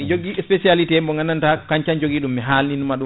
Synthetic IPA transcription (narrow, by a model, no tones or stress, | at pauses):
d͡ʒoɡːiɛspesialitɛmbɔŋɡanantakaɲt͡ʃand͡ʒoɡiɗumːɛɦalninumaɗu